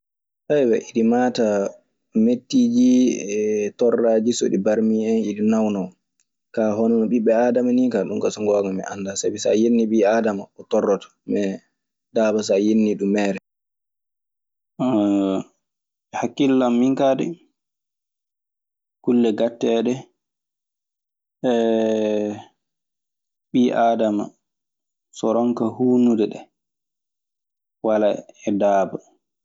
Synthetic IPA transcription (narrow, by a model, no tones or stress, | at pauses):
sajwɛ̰ʔiɗimaːta | metːiːd͡ʒi | tɔrːaːd͡ʒiso̰ɗibaɾmiɛniɗinawnaw | kaːɦɔnɔnɔɓiɓːɛaːdamaniŋkaɗuŋkasɔŋɡɔːɡamɛ̰ʔa̰ndasabisa̰jenːiɓiaːdamaɔtɔrːɔtḁmɛ | daːbas̬ajenːiɗumːɛːɾɛ | hakːilːamːiŋkadɛ̰ | kulːɛɡatːɛɗɛ | ɛ | ɓiʔaːdama̰ | sɔɾɔŋkahuːnudɛɗɛ̰ | walaɛdaːba